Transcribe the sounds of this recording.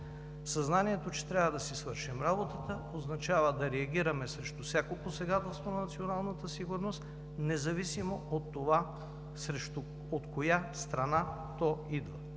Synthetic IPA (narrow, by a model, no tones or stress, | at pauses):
sɐznaniɛt̪ot͡ʃɛ̥t̪ɾʲavəd̪ɐsisvɤɾʃimɾabot̪ət̪ə | oznɐt͡ʃavəd̪ɐɾɛɐɡʲiɾɐmɛsɾɛʃt̪ufsʲakoposɛɡat̪ɛlˠst̪vonɐnɐt̪sionalˠnət̪əsiɡʊɾnost̪ | nɛzɐvisimoot̪ːova | sɾɛʃt̪ | ot̪kojast̪ɾɐna | t̪ɔid̪və